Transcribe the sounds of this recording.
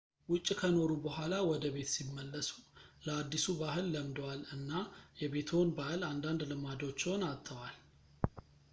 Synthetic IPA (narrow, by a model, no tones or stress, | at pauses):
wʊt͡ʃʼːkʰəno̞ɾubəɦʷalawɔd̪əβe̞t̪simːəlːəsu̥ləad̪ːisubaɦɨlːəmd̪walɨnːajɛbe̞t̪ʰo̞nbahɨland̪and̪lɨmad̪o̞t͡ʃːɛwnat̪ʰːəwal